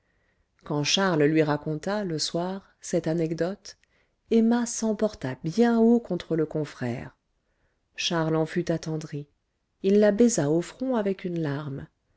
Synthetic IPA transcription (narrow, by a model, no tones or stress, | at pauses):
kɑ̃ʃaʁllɥiʁakɔ̃t̪aləswaʁ | sɛt̪anɛkd̪ɔt̪ | ɛmasɑ̃pɔʁt̪abjɛ̃okɔ̃t̪χələkɔ̃fχɛ̰ːʁ | ʃaʁlɑ̃fyt̪at̪ɑ̃d̪ʁi | ilːabɛzaofχɔ̃avɛkynlaʁm